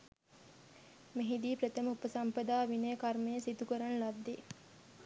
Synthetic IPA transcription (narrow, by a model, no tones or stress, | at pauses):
meɦid̪iːpɾɐt̪əməupəsɐmpɐd̪aːʋinejkɐrmejəsit̪ukəɾɐnlɐd̪ːe